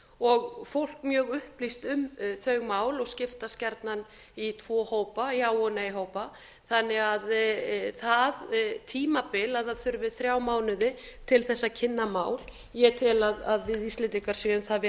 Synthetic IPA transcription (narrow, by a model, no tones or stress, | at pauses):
ɔɣfowl̥kmjœːɣʏhplist̪ʏmθœɥɣmaːwlɔɣscɪft̪ascɛɾt̪nan | it̪ʰv̥ɔːhoːwpaiawɔnaiɦoːwpa | θanːɪɣaðθaðt̪ʰiːmapɪlaðaðθʏɾvɪðθɾjaːwmaːwnʏðɪt̪ʰɪlθɛsːacʰɪnːamaːwl | jɛt̪ʰɪlaðaðvɪðist̪lɪnt̪ikaɾ̥siʏmθav